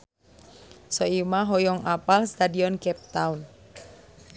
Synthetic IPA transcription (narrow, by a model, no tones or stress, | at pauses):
sɔimaɦɔjɔŋapalst̪adiɔnkɛp̚t̪aun